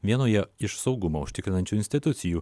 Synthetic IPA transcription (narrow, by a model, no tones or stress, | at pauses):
ʋʲiɛnoːjɛɪʃsɒʊɡʊmɐʊʃʲt̪ʲɪkʲɾʲɪnɐnʲt͡ʃʲuɪnʲsʲt̪ʲɪt̪ʊt̪sʲɪjuː